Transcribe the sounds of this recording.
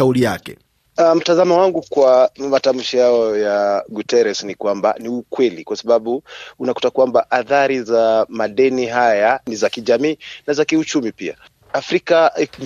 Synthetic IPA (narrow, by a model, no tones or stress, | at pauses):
aulijakɛ̰ | am̩tazamawaŋɡukwamatam̩ʃijaɔjaɡutɛɾɛsnikwamba̰niukwɛlikwasaɓaɓuunaku̥takwambaʔaθaɾizamaɗɛniɦajanizakiʄamiːnazakiut͡ʃumipia̰ | afɾika